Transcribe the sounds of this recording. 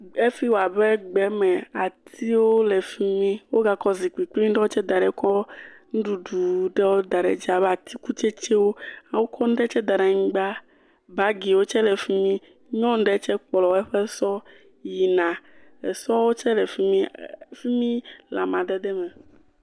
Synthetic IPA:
e˦fi˦wo˨a˨bɛ˦ɡ͡bɛ˨˦mɛ̃˨a˨t̪ʰi˦wo˦lɛ˨fi˦mĩ˦wo˦ɡa˨kɔ˦zi˨k͡pi˨k͡plĩ˦ɖɛ˦wo˦t͡ʃɛ˦d̪a˨ɖɛ˨kɔ˦ŋũ˦ɖu˨ɖu˨ɖɛ˦wo˦d̪a˨ɖɛ̰˨d͡ʒa˨βɛ˦a˨t̪ʰi˦ku˦t͡ʃɛ˦t͡ʃɛ˦wo˦a˨wo˦kʰɔ˦ñ̩˦ɖɛ˦t͡ʃɛ˦d̪a˨ɖa˨ŋĩ˦ɡ͡ba˦ | ba˦ɡi˨wo˦t͡ʃɛ˦lɛ˨fi˦mĩ˦ | ɲɔ̃˦n̩˦ɖɛ˦t͡ʃɛ˦k͡plɔ˨˦ɛ˦ɸɛ˦sɔ˦ | ji˨nã˨ḛ˨sɔ˦wo˦t͡ʃɛ˦lɛ˨fi˦mĩ˦fi˦mĩ˦la˨mã˨d̪ɛ˦d̪ɛ˦mɛ̃˨

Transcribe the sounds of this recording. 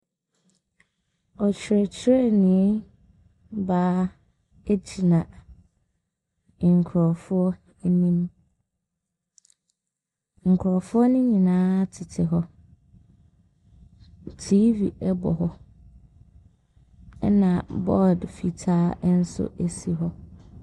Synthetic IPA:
ɔ˨t͡ɕʰᶣɪ˨ɾɛ˨t͡ɕʰɪ˦ɾɛ˦˨nĩ˨˦ | baː˦ | e˦d͡ʑʰi˨nã˨ | ŋ̩˨kʰʊ˨ɾɔ˨fʊ˦ɔ˦ | nĩ˦m | ŋ̩˨kʰɾɔ˨fʊ˦ɔ˦nʊ̃˦ɲĩ˨nãː˦tʰɪ˨tʰɪ˨ɦɔ˦ | tʰi˦vḭ˨ɛ˦bɔ̰˨hɔ˦ | ɛ˦nã˨bɔ˦˨ldfi˨tʰaː˦n̩˦sʊ̰˦ʔe˨si˨ɦɔ˦

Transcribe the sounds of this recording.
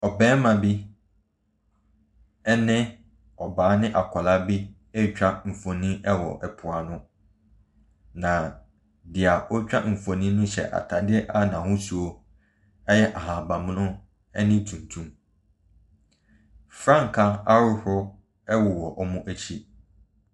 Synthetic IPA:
ɔ˨bɛ̃ː˦mã˨bi˦ | ɛ˦nɪ̃˦ | ɔ˨baː˨˦nɪ̃˦ʔa˨kʷʰa˨la˦bi˦ | ɛ˦˨t͡ɕᶣa˦m̩˨fo˨nĩ˦ɛ˦wɔ̰˨ʔɛ˨pʰʊ˨a˨nʊ̃˦ | nã˨ | dɪ˨a˨ɔ˦t͡ɕᶣa˦m̩˨fo˨nĩ˦nʊ̃˦ɕɛ̰˨ʔa̰˨tʰa˨dɪ˦ɛ˦ʔa˦nã˨hʊ̃˦su˨o˦ | ɛ˦jɛ˦ʔa˨ɦã˨ba˨m˦nʊ̃˦ | ɛ˦nɪ̃˦tʰũ˨ntʰũ˦m | fɾã˦˨ŋ˨kʰa˦a˦ɾʊ˦hʊ˦ | ɛ˦wʊ˨wɔ˨ʔɔ˦mũ˦ʔæ˦t͡ɕʰi˦

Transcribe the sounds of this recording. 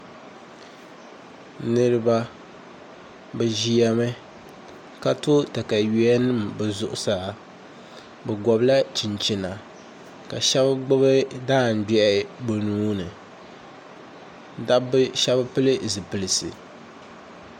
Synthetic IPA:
nɨ˦ɾɨ˦ba˦ | bɨ˨ʒi˦ja˦mɨ˦ | ka˦to˦ta˨ka˨ji˦ɛ˦nɨ˦mbɛ˨zʊ˨ʔʊ˨sa˨ | bɛ˨ɡɔ˨bla˦t͡ʃi˨nt͡ʃi˨na˨ | ka˨ʃɛ˦bɨ˦ɡ͡bʊ˦bɨ˦daː˦˨n̩˨bɛ˨bo˨nuː˦nɨ˨ | da˦bɨ˦ʃɛ˦bɨ˦pɨ˦lɨ˦zɨ˨pɨ˨lɨ˨sɨ̰˨

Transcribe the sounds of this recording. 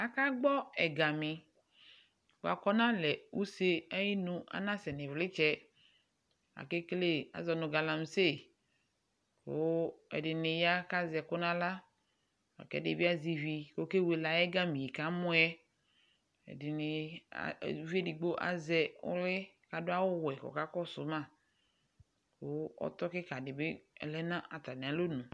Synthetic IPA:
a˦ka˦ɡ͡bɔ˦ɛ˨ɡa˨mɪ˨ | k͡po˨a̰˨kɔ˦nã˦lɛ˨u˦se˦a˦ji˦nũ˦a̰˦nã˦sɛ˨nɪ̃˨vlɪ˦t͡ʃɛ˦ | a̰˨ke˦kle˦a̰˨zɔ˨nʊ̃˨ɡa˨la˨m˨se˦˨ | ko̰˦ɛ̰˨dɪ˨nɪ̃˨ja˦ka˦zɛ˨kʊ˦nã˦la˦ | a̰˨kɛ̰˨˦dɪ˨bi˦a˦zi˨vi˨ko˦ke˦we˨la˨jɛ˦ɡa˦mĩ˨i˨ka˦mʊ̃˦ɛ˦ | ɛ̰˨dɪ˨nɪ̰˨˦ | vi˦ɛ˦di˨ɡ͡bo˦ʔa̰˨zɛ˦ʊ̰˦lɪ˦ | ka˨dʊ˦a˦wʊ˦wɛ˨kɔ̰˨ka˦kɔ˦sʊ˨˦mã˦˨ | ko˦ɔ̰˦t̪ɔ˦kɪ˦ka˨dɪ˨be˦ɛ̰˨lɛ˦nã˦ʔa˨t̪a˨nɪ̃˨a˨˦lo˦nũ˨

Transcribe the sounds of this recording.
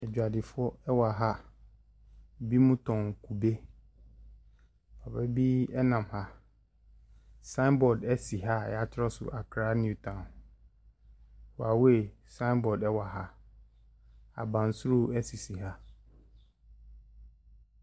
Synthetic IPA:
ɛ˨d͡ʑᶣa˨dɪ˨fʊ˦ɔ˦ɛ˦wa˨ɦa˦˨ | bi˦mũ˦tʰɔ̃˨nkʰu˨be˦ | pʰa˨bɛ˦bi˦ɛ˦nã˨mha˨ | sã˦mbɔ˨dɛ˦si˨ɦa˦jɛ˨a˦tʰɪ˦ɾɔ˦sʊ̰˨ʔa˨kʰɾa˦n˦u˦˨tʰã˨ | wa˨we˨sã˦ɪ˦mbɔ˨dɛ˦wa˨ɦa˦ | a̰˨bã˨n˨sɾo˦ɛ˦si˨si˨ɦa˦

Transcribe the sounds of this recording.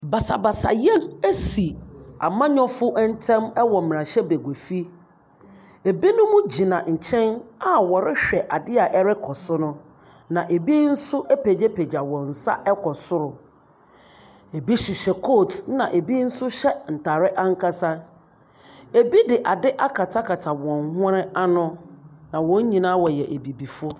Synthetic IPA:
ba˨sa˨ba˨sa̰˨jɛ˦næ˦si˨a̰˨mã˦ɲɔ̃˦fʊ˦ʔɛ˦n̩˦tʰɛ̃˦mɛ˦wɔ˨m̃˨ɾã˨ɕɛ˦be˨ɡʷe˨fi˦ | e˨bi˦nʊ̃˦mʊ̃˦d͡ʑi˨nã˨ɲ̩˨t͡ɕʰɛ̃˦na˨wɔ˨ɾɪ˦ɕᶣɛ˨ʔa˨dɪ˦a˨ʔɛ˦ɾɪ˦kʰɔ˨sʊ˦nʊ̃˦ | nã˨ʔe˨bi˦n̩˦sʊ˦ʔɛ˦pʰe˨d͡ʑe˦pʰe˨d͡ʑa˨wɔ̃˨n̩˨sa̰˦ʔɛ˦kʰɔ˨sʊ˦ɾʊ˨ | e˨bi˦ɕi˨ɕɛ˨kʰo˦˨tnã̰˨ʔe˨bi˦n̩˦sʊ˦ɕɛ˦n̩˨tʰa˨ɾɪ˦ʔa˦ŋ̩˦kʰa˦sa˦ | e˨bi˦dɪ˨ʔa˨dɪ˦ʔa˦kʰa˨tʰa˦kʰa˨tʰa˨wɔ̃˨nhɾɪ˦a˦nʊ̃˦nã˨wɔ̃˦ɲ˦ɲĩ˨nãː˦wɔ˨jɛ˨ʔe˨bi˨bi˨fʊ˦

